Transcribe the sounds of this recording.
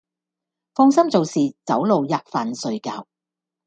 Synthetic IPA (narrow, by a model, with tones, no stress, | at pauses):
fɔː˧ŋsɐ˥mt͡so˨wsiː˨t͡sɐ˨˥wlo˨wjaː˨˩k̚faː˨nsɵ˨˧ɥka̰ː˧w